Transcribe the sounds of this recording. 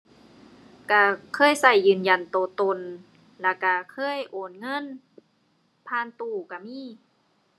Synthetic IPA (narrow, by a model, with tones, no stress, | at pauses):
ka˧˩kʰɤː˧˥˨jsa˧˩jːɯː˨˧˩nja˧˩nt̪oː˧˩t̪o˧˨n | lɛ˧˩ka˧˩kʰɤː˧˥˨jʔoː˨˩nŋɤ˧˥˨n | pʰaː˧˩˨nt̪uː˧˩ka˧˩miː˧˥˨